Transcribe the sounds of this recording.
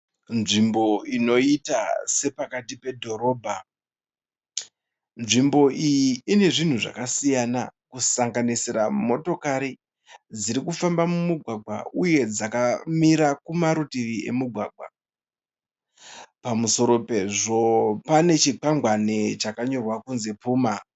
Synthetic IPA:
nʐimbo̞ino̞itase̞pakatipe̞dʱo̞ɾo̞ːbʱa | nʐimbo̞ʔijiːne̞ʐin̤uʐa̰kasijanakusaŋɡaniseɾamo̞to̞kaɾi | d͡ziɾikufambamumuɡʱwaɡʱwa̰uje̞d͡zakamiɾakumaɾutiʋie̞̰muɡʱwaːɡʱwa̰ | pamuso̞ɾo̞pe̞ʐo̞pane̞t͡ʃiǃaŋɡwanet͡ʃakaɲo̞rwakunzepuːma

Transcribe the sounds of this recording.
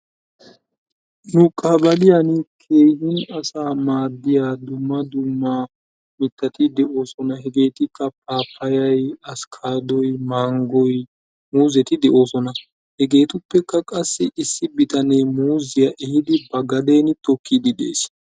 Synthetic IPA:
nʊkʼɐbɐlɪjanɪkʰe̞ːjhɪnɐsaːmaːd̪ːɪjaːd̪ʊmːɐd̪ʊmːa | mɪt̪ːɐt̪ɪd̪ɛʔo̞ːsɔnɐhɛɡe̞ːt̪ɪkːɐpaːpʰːɐjɐjɐskʰaːd̪ɔjmaːŋɡɔj | muːzɛt̪ɪd̪ɛʔo̞ːsɔnɐ | hɛɡe̞ːt̪ʊpːɛkːɐkʼɐsːɪʔɪsːɪbɪt̪ɐneːmuːzɪjɐʔɛhɪd̪ɪbɐɡɐd̪e̞ːnt̪ɔkːid̪ɪd̪e̞̰ːs

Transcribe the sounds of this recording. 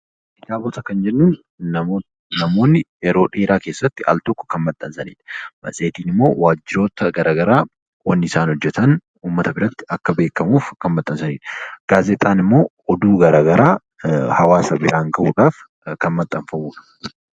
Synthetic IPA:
ʔɪt̪aːbɔt̪ɐkɐnd͡ʒɛnːuːn | nɐmo̞ːnːɪɛɾo̞ːᶑeːɾaːkeːsːɐt̪ːɪɐ̰lt̪ɔkːɔ̥kɐnmɐt̪ʼːɐnsɐnḭːᶑɐ̥mɐ̰sʼe̞ːt̪iːnɪmːo̞̰ːwaːd͡ʒːɪɾo̞ːt̪ɐɡɐɾʔaːɡɐɾaː | wɐnːɪsaːnhɔd͡ʒːɛt̪ɐn | uːmːɐt̪ɐbɪɾɐt̪ːɪ̥ɐkːɐbe̞ːkːɐmuːfkɐnmɐt̪ʼːɐnsɐnḭːᶑɐɡ̥aːzɛt̪ʼaːnɪmːo̞ː | ɔd̪uːɡɐɾaːɡɐɾʔaː | hɐwaːsɐbɪɾaːŋɡɐʔuːᶑaːf | kɐnmɐt̪ʼːɐɱfɐmuːᶑɐ̥

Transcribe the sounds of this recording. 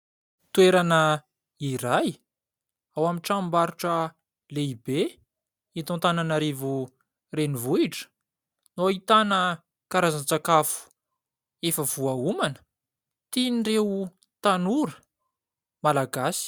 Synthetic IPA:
t̪uweɾanə | iɾaj | awamiʈ͡ʂambaɾuʈ͡ʂə | leibe | it̪õnt̪ananaɾevu | renivuiʈ͡ʂə̥ | noait̪anə | kaɾazant͡sakafu̥ | efəv̥uaumanə̥ | t̪inireu | t̪anuɾə̥ | malaɡasi̥

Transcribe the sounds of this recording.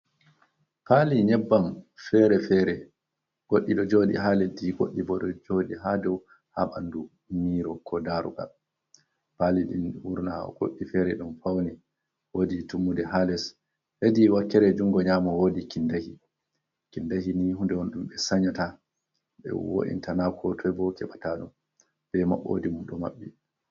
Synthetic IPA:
paliɲɛbːamfɛɾɛfɛɾɛ | ɡ̥oɗːiɗɔd͡ʒoɗḭhalediɡoɗːibɔɗɔd͡ʒoɗiɦadɔw | ha̰ɓa̰ndu | miːɾɔkʰɔdaɾṵɡa̰l | paliɗḭnuɾnaɔ̰ɡo̰ɗːifɛɾɛɗumfawni | woditumːudɛɦalɛs | hediwakːɛɾɛd͡ʒuŋɡɔɲaːmɔwodikindahi | kindahiniɦundɛwɔnɗumɓɛsaɲata | ɓɛ̰wo̰ɗḭntanakʰɔtʰɔjbɔkɛɓataɗum | b̥ɛma̰ɓo̰dimumɗɔmaɓːi

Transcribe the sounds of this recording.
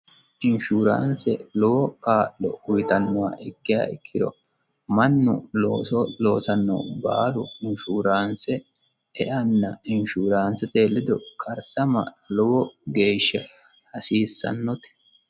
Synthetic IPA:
ʔɪnʃuːɾa̰ːnsɛlɔwɔkaːʔːɔ̰ʊjt̪ɐnːɔwa̰ːʔɛkːɪja̰ːɪkʰːɪd̪ɔ̰ | mɐnːʊ̰loːsɔlo̞ːsɐnːɔ̰baːlʊɪnʃuːɾaːnsɛ | ɛʔɐnːɐɪnʃuːɾaːnsɛt̪e̞ːlːɪd̪ɔkʰɐɾsɐmɐ̰ | lɔwɔɡe̞ːʃːɛ | hɐsiːsːɐ̰nːɔt̪ɪ̥

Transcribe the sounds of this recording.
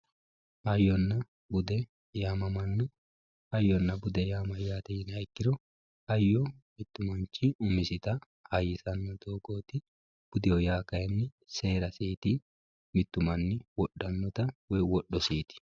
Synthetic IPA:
hɐjːɔnːɐ | bʊd̪ɛ | jamɐmɐnːɔ | hɐjːɔnːɐbʊd̪ɛjaːmɐjaːt̪ɛjɪnhɐjkːɪɾɔ | hɐjːɔmɪt̪ːʊmɐnt͡ʃːɪʊmɪsɪt̪ɐ | hɐjːɪsɐnːɔd̪o̞ːɡoːt̪ɪ | b̥ʊd̪ɪjɔjaːkɐjɛnːɪ | se̞ːɾɐsiːt̪ɪ | mɪt̪ːʊmɐnːɪwɔɗːɐnːɔt̪ɐwɛjwɔɗːɔsiːt̪ɪ̥

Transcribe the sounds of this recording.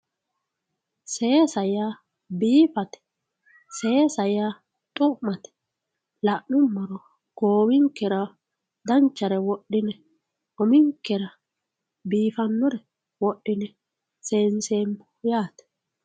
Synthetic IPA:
sɛesɐja | biːfɐt̪ɛ̥ | seesɐja | t̪ʼʊʔmːɐt̪ɛ̥ | lɐʔnʊmːɔɾɔ | ɡ̥oːwɪŋkːɛɾɐ | d̪ɐnt͡ʃːɐɾɛwɔɗːɪnɛ | ʔɔmɪŋkːɛɾɐ | biːfɐnːɔɾɛ | wɔɗːɪnɛ | seːnseːmhʊjaːt̪ɛ̥

